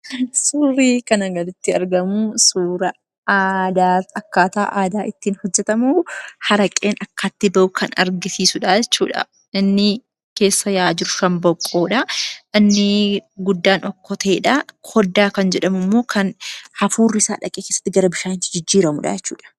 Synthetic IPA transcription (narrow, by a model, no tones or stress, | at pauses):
suːriːkɐnɐɡɐlɪt̪ːɪɐɾɡɐmʊsuːɾɐ | aːd̪aːɐkːaːt̪a̰ːʔaːd̪aːʔɪt̪ːiːnhɔd͡ʒːɛt̪ɐmuhɐɾɐkʼːe̞ːnɐkːaːt̪ːɪbɐʔʊkʰɐnɐ̰ɾɡɪsiːsʊᶑad͡ʒɛt͡ʃːuːᶑɐ̰ | ɪnːɪ | ke̞ːsːɐjaːd͡ʒɪɾʊʃɐmbɔkʼːoːᶑɐʔɪnːɪɡʊd̪ːaːnɔkːɔt̪ɐeːᶑɐkʰɔd̪ːaːkɐnd͡ʒɛᶑɐmʊmːo̞ːkʰɐnhɐfuːrːɪsa̰ːᶑɐ̰kʼeːkeːsːɐ̥t̪ːɪɡɐɾɐbɪʃaːnɪt̪ːɪd͡ʒɪd͡ʒːiːɾɐmʊᶑɐ̰d͡ʒɛt͡ʃːṵːᶑɐ̥